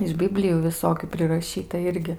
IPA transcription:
ɪʃ ˈbʲɪbʲlʲɪjuː ʋʲɪˈsoːkʲʊ pʲrʲɪrɐˈʃʲiːtɐ ˈɪrʲɡʲɪ

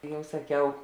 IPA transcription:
ˈjɛʊ sɐˈkʲɛʊ

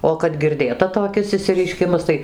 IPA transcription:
oː kɐt ɡʲɪrʲˈdʲeːtɐ toːˈkʲɪs ɪʃʲsʲɪrʲɛɪˈʃʲkʲɪmɐs ˈtɐɪ

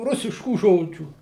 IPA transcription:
ˈrʊsʲɪʃkuː ˈʒoːd͡ʒʲuː

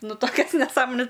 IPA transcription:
ˈnʊ ˈtoːkʲɛs nʲɛˈsɑːmoːnʲɛs

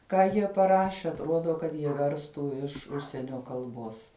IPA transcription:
ˈkɑː jiɛ pɐˈrɑːʃʲɛ ɐtˈroːdoː kɐt jiɛ ˈʋʲɛrstuː ɪʃ ˈʊʃʲsʲiɛnʲoː kɐlˠˈboːs

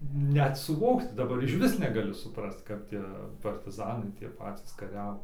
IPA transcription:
ˈnʲɛt sʊˈʋoːkt dɐˈbɐr ɪʃʲˈʋʲɪs nʲɛˈɡɑːlʲɪ sʊˈprɐst ˈkɐp tʲiɛ pɐrʲtʲɪˈzɑːnɐɪ tʲiɛ ˈpɑːtʲiːs kɐˈrʲæːʋoː

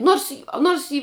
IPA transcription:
ˈnoːrs ˈnoːrs ɪ

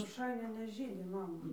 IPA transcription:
roːˈʃɐɪnʲɛ nʲɛˈʒʲiːdʲɪ ˈmɑːmɐ

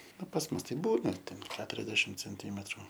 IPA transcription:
ˈnʊ pɐs ˈmʊs tɐɪ ˈbuːnɐ tʲɛn ˈkʲæːtʊrʲɛzʲdʲɛʃʲɪm t͡sʲɛnʲˈtʲiːmʲɛtrʊ

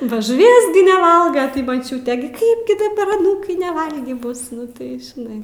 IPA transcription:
bɐ ʒʊˈʋʲiɛs ɡʲɪ nʲɛˈʋɐlˠɡɐ tɐɪ mɐˈt͡ʃʲuːtʲeː ɡʲɪ ˈkɐɪp ɡʲɪ dɐˈbɐr ɐˈnuːkɐɪ nʲɛˈʋɐlʲɡʲiː ˈbʊs ˈnʊ tɐɪ ʒʲɪˈnɐɪ

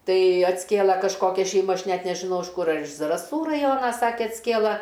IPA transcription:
ˈtɐɪ ɐtʲsʲˈkʲeːlˠɐ kɐʃˈkoːkʲɛ ʃʲɛɪˈmɐ ˈɐʃ ˈnʲɛt nʲɛʒʲɪˈnɐʊ ɪʃ ˈkʊr ɐr ɪʃ zɐrɐˈsuː rɐˈjoːnɐ ˈsɑːkʲɛ ɐtʲsʲˈkʲeːlˠɐ

